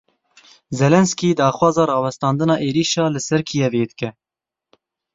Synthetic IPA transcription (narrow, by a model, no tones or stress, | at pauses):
zɛlɛnskiːd̪ɑːxwɑːzɑːɾɑːwɛst̪ɑːnd̪ɨnɑːʔeːɾiːʃɑːlɨsɛɾkʰijɛveːd̪ɨkɛ